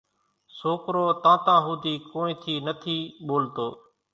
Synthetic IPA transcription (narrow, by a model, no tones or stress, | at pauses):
soːkɾoːt̪ãːt̪ãːɦuːd̪iːkoːnĩːt̪ʰiːnət̪ʰiːɓoːlt̪oː